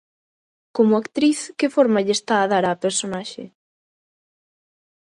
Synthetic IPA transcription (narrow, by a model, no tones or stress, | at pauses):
komʊakt̪ɾiθkɪfoɾmaʎest̪aːðaɾapeɾsonaʃḛ